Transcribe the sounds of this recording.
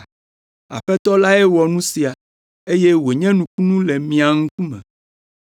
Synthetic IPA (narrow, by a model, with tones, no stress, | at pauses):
a̰˨ɸɛ˦t̪ɔ˦la˦ɛ˦wɔ˨nũ˦si˨a˨ | e˦je˦we˨ɲɛ̃˦nũ˨ku˦nũ˦lɛ˨mĩ˨a˨ŋũ˦ku˦mɛ̰̃˨